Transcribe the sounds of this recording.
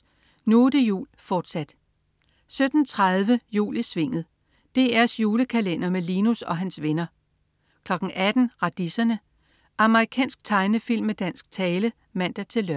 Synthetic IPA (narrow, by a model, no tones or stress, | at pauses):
nuːd̥əjṵːlfɒːd̥sæd̥ | sød̥n̩t͡sʰʁað̞ˠʋəjṵːlisʋe̝ŋ̰ð̞̩ˠ | d̥e̝æɐsjuːləkʰælen̰ɐmelinusɒ̽ɦænsʋenɐ | kʰlɒ̽ɡ̥n̩ʔæd̥n̩ʁɑ̈d̥isɐnə | ʔɑ̈məʁikʰɛ̰ːnsɡ̥̚t͡sʰɑ̈ɪnəfil̰mːed̥æn̰sɡ̥̚t͡sʰɛːlə | mæn̰d̥æɐt͡sʰe̝lːøɐ